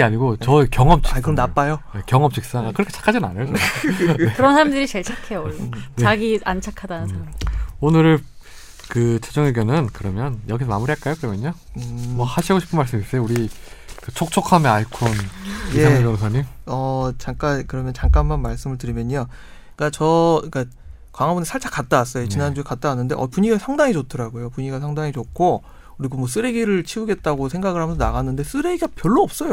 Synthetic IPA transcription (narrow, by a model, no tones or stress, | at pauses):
aɲiɡot͡ɕʌikjʌŋʌmt͡ɕʰiaɭkʰɯmnap͈ajoekjʌŋʌmpt͡ɕʰik̚s͈aŋakɯɾikʰet͡ɕʰḁkʰad͡ʑinɯna̰nɯɭkɯ | ekɯɾʌnsʰaɾamdɯɾit͡ɕeɭt͡ɕʰakʰe̞joneaɡiant͡ɕʰakʰadanɯnsʰaonɯɾɭ | kɯt͡ɕʰed͡ʑoŋeɡjonɯnkɯɾʌmjʌnjʌɡisʰʌmamuɾiɦaɭk͈ajokɯɾʌmjʌɲaɯmwʌhaɕʰiɡoɕʰi̥pʰɯnmaɭs͈ɯmis͈ejouɾi | kɯt͡ɕʰok̚t͡ɕʰokʰamjeaɭkʰunijeaed͡ʑʌnsʰaɲimʌt͡ɕaŋk͈ankɯɾʌmjʌnt͡ɕaŋk͈anmanmaɭs͈ɯmɯɭtɯɾimjʌɲːa | ik͈at͡ɕʌik͈a | kwaŋɦabunesʰaɭt͡ɕʰakat̚t͈awas͈ʌjot͡ɕinand͡ʑuekat̚t͈aanːɯnde̞̰ʔʌ̰puɲiɡasʰaŋdaŋit͡ɕotʰɯɾaɡojopuɲiɡasʰaŋdaŋit͡ɕokʰːo | kɯɾiɡomwʌs̬͈ɯɾeɡiɾɯɭt͡ɕʰiuɡe̞t̚t͈aɡosʰeŋɡaɡɯɭhamjnsʰʌnaɣanːɯnde̞s͈ɯɾe̞ɡiɡapjʌɭːoʌp̚s͈ʌjo